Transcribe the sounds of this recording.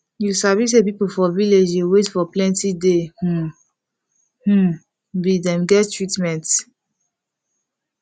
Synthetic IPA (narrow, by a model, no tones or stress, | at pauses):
jusavis̬ep̬ipofɔviled͡ʒewetfɔplɛ̃ntideh̩ | h̩ | bidɛ̃mɡɛttɹitmɛ̃nt